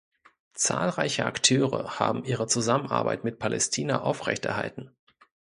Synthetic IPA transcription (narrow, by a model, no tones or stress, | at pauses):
t͡sa̰ːlʁaɪçəaktʰøːʁə̰ha̰ːbm̩ʔiːʁət͡suzamənʔa̰ɐba̰ɪtmɪt̚pʰalʔɛstʰiːnɐʔaʊfʁ̥ɛ̰çtɛ̰ɐɦa̰ltn̩